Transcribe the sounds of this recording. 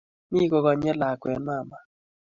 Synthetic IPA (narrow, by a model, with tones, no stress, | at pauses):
mi˦ɡɔ˨ɣɔ˨ɲɛ˦la˨kɛ̰˨˦nma˦˨ma˨